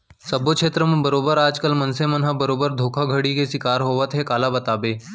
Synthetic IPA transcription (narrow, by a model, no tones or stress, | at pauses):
sɐbokʃeːt̪ɾəmẽbɐɾoːbəɾaːd͡ʒkəlmɐnsemɐnɦabəɾoːbəɾd̪ʱoːkʰaɡʱəɽikesɪkaːɾɦoːʋət̪ɦɛkaːlabɐt̪aːbeː